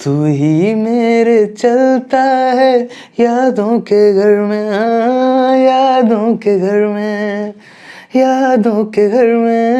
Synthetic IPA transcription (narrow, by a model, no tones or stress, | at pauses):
t̪uɦimeːɾet͡ʃɐlt̪aɦɛ | jaːd̪õkeɡʱɐɾmẽã | jaːd̪õkeɡʱɐɾmẽ | jaːd̪õkeɡʱɐɾmẽ